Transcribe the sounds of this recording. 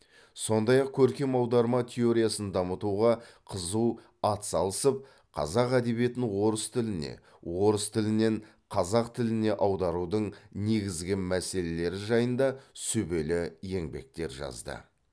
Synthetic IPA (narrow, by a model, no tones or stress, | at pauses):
so̞nd̪ɑjɑq̚kʲʰɵɾkʲe̞mɑwd̪ɑɾmɑt̪ʲʰe̞o̞ɾijasənd̪ɑmət̪uʁɑqʰəzuw | ɑt̪sɑlˠəsəp̚ | qʰɑ̰zɑqæd̪e̞βije̞t̪ɪŋwo̞ɾəst̪ʰɪlɪne̞̰ | wo̞ɾəst̪ʰɪlɪne̞ɴ | qʰɑzɑqt̪ʰɪlɪne̞ʔɑwd̪ɑɾud̪əɴne̞ɡʲɪzɡʲɪmæse̞le̞le̞ɾɪʒɑjənd̪ɑsɵbe̞lɪje̞ŋbe̞̰k̚t̪e̞ɾʒɑ̰zd̪ə̰